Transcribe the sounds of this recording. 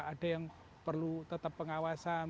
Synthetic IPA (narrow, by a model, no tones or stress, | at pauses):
aɖ̥a̤jaŋ | pərlut̪ət̪əpːəŋawasa